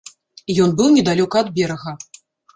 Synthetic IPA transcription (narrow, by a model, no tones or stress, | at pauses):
jɔnbɨwnʲɛd̪alʲɔkɐːd̪bʲɛɾɐɣɐ